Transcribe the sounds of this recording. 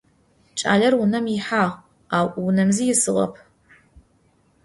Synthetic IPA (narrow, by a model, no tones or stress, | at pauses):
t͡ʃʼa̰ːɮɐrwʊnɐmjɪħaːʁ | aːwʔwʊnɐmzijɪsɨʁɐ̰pʰ